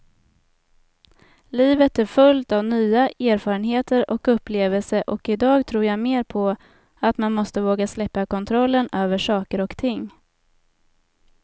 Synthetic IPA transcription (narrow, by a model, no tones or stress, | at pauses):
liːvət̪æɾfɵlt̪avnyːaæːɾfɑːɾənɦeːt̪əɾɔkɵpːleːvəlsəʔɔkɪd̪ɑːɡt̪ʰɾuːɾjameːɾpʰɔ | at̪manmɔst̪əvoːɡaslɛpːakʰɔnt̪ʰɾɔlːənøːvəʂɑːkəɾɔkt̪ʰɪŋː